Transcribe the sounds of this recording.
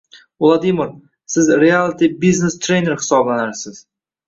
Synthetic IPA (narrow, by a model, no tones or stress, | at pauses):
ʊlˠad̪imɪɾ | sɪzɾialˠt̪ʰibiznest̪ʰɾejneɾhɪ̥sɒblanaɾsɪz̥